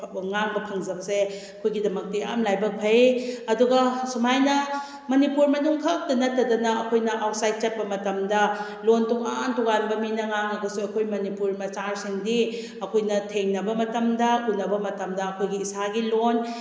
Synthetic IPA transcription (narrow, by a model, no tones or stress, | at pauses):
ŋaŋbɐpʰɐŋzɐbɐseɐkʰojɡidɐmɐk̚tia̰mlajbɐk̚pʰejɐduɡɐsumajnɐ | mɐnipuɾmɐnuŋkʰɐk̚dɐnɐtːɐdɐnɐɐkʰojnɐʔawt̚sajt̚t͡ʃɐt̚pɐmɐtɐmdɐ | lontuŋa̰ntuŋanbɐminɐŋaŋɐɡɐsuɐkʰojmɐnipuɾmɐt͡ʃaɾsiŋdi | ɐkʰojnɐtʰeŋnɐbɐmɐtɐmdɐʔunːɐbɐmɐtɐmdɐɐkʰojɡiːsaɡilon